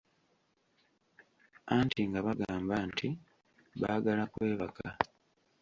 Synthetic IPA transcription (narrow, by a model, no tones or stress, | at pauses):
antiŋɡaβaɡaːmbantʰi | βa̰ɡalakwe̞ːβakʰa